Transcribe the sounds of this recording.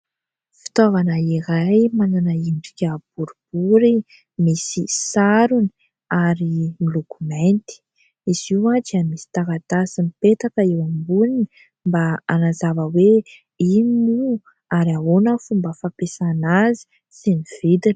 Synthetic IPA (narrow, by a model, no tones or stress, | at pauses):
fi̥t̪ovanəiɾajmananaimɖ͡ʐi̥kʲab̥uɾub̥uɾi | misisaɾuni̥ | aɾimilokument̪i̥ | iz̥iwad̪iamisi̥t̪akat̪asinipet̪akəewambunini | mbaanazavəwe | inimu | aɾiaɦonəfumbəfapesanazi̥ | siniv̥id̪in